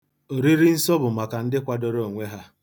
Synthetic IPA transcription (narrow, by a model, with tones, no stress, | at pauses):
o˨ɾi˦ɾi˦n̩˦sɔ˦bʊ˨ma˨ka˨n̩˦dɪ˦kʷa˨dɔ˦ɾo˦˨o˨ŋʷe˦ɦa˦